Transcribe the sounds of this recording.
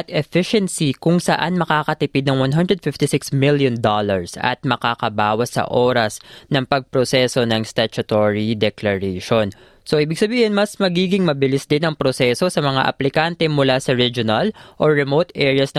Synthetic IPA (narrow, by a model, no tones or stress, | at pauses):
ɐt̪ɛfɪʃɛnsikʊŋsɐʔanmɐkaːkɐt̪ɪpɪd̪nɐŋwanɦand̪ɹɛd̪̚fɪft̪ɪsɪksmɪljond̪olɐɹsɐ̰t̪̚mɐkakɐbaːwɐsːɐ̰ʔoːɾɐsnɐŋpɐɡ̚pɾosɛso̞nɐŋst̪ɛt͡ʃɐt̪oɹid̪ɛklɐɹɛʃo̞n | soʔiːbɪɡsɐbiːhɪnmɐsmɐɡiːɡɪŋmɐbɪlɪsd̪ɪnɐŋpɾosɛso̞sɐmɐŋa̰ʔɐ̰plɪkant̪ɛmʊlasɐɹid͡ʒonɐlʔoɹɛmowt̪ʔɛɹjɐsnɐ